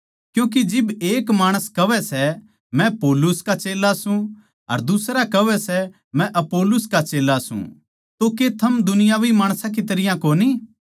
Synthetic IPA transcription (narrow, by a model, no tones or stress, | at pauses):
kjũːk̬id͡ʒɪbeːkmaːɽ̃əskɐʋɛsɛ | mɛ̃poːlʊskat͡ʃeːlasũ | ɐ̰ɾd̪ʊsɾakɐʋɛsɛ | mɛ̃ʔɐpoːlʊskat͡ʃeːlːasṵ̃ | t̪oket̪ʰɐmd̪ʊnɪjaʋimaːɽ̃sãk̬it̪ɐɾɪjãkoːni